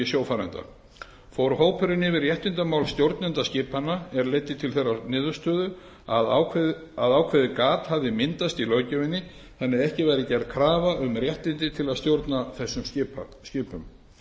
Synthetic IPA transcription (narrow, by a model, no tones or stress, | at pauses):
ɪsjowfaɾant̪a̰ | fowɾɦoːwpʰʏɾɪnɪvɪrjɛht̪ɪnt̪amaːwlst̪jowɾt̪nɛnt̪ascɪːpanːaɛɾlejt̪ːɪt̪ʰɪlθejɾanɪːðʏst̪œːðʏ | aðʰ | aðaːwkʰvɛːðɪkaːt̪havðɪmɪnt̪ast̪ilœːɥcʏvɪnːɪ | θanːɛðɛhcɪvajɾɪcɛɾt̪kʰɾaːvaʏmrjɛht̪ɪnt̪ɪt̪ʰɪlaðst̪jowɾt̪naθɛsːʏmscɪpa̰scɪːpʏm